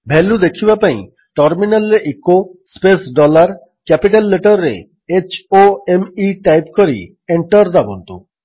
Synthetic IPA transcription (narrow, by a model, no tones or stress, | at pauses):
bʱɛlud̪ekʰibapaḭ̃ | ʈɔɾminalːeʔekospesɖɔlaɾ | kɛpiʈalːeʈəɾːḛ | et͡ɕoemiʈajp̚koɾḭ | eɳʈəɾd̪abont̪ṵ